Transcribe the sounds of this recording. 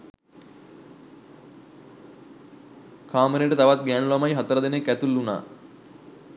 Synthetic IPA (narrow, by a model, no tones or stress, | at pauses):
kʰaːməɾeʈət̪aʋat̪ɡæːnulamajɦat̪əɾɐd̪enekæt̪ulːuna̰ː